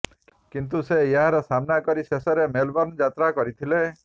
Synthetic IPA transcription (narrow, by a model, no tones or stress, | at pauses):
kint̪̬usejeɦaɾɔsamnakɔɾisesɔɾemelbɔɾnd͡ʒat̪ɾakɔɾit̪ʰile